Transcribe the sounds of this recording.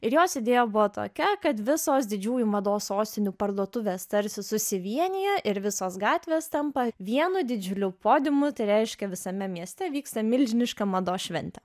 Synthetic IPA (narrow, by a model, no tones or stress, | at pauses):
ɪɾjoːsɪd̪ʲeːjoːbʊʋot̪o̰ːkʲɛkɐt̪ʋʲɪsoːsd̪ʲɪd͡ʒʲuːjumɐd̪oːssoːsʲt̪ʲɪnʲuːpɐɾd̪uɔt̪ʊʋʲeːst̪ɐɾʲsʲɪsʊsʲɪʋʲiɛnʲɪjɛʔɪɾʋʲɪsoːsɡɑːt̪ʲʋʲeːst̪ɐmpɐʋʲiɛnʊd̪ʲɪd͡ʒʲʊlʲʊpoːd̪ʲɪmʊt̪ɐɪɾʲɛɪʃʲkʲɛʋʲɪsɐmʲɛmʲiɛsʲt̪ʲɛʋʲiːkst̪ɐmʲɪlʲʒʲɪnʲɪʃkɐmɐd̪oːʃʲʋʲɛnʲt̪ʲɛ